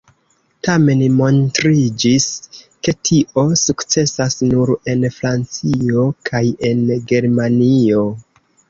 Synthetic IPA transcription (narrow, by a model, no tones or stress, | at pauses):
tame̞nmo̞ntɾid͡ʒiske̞tʰiʔo̞sukt͡se̞sasnuɾe̞nfɾant͡sio̞kʰaje̞nɡe̞ɾmanio̞